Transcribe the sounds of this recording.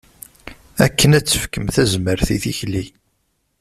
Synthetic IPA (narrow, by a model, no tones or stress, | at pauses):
ækːənæt͡sːə̥fkəmθæzməɾθiθiçli